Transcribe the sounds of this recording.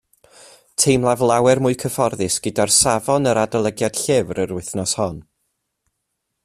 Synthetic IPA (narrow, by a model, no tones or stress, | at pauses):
tʰejmlˠavlˠawɛrmʊːɨkʰəfɔrðɪsɡ̥ədarsavɔnəɾadəlˠəɡjad̥ɬɪvrəɾwɪθnɔshɔn